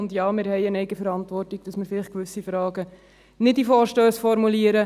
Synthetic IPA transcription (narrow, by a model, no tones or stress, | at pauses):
ʊndjɑːmɪɾhɛɪənɛɪɡəfəɾɑntʋɔrtiɡ̚d̥ɑsmɪɾfɪlɪχtkʋʏsifɾɑːɡə | nɪt̚difoːɾʃtøːsfɔɾmuliəɾə